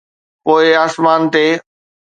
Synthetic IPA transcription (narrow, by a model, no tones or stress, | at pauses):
poːɪaːsmaːnt̪eː